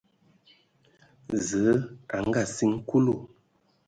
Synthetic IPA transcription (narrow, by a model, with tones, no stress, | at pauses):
zə˨˦a˨ŋ˦ɡa˦˨si˦ŋ̩˦ku˦lo˦˨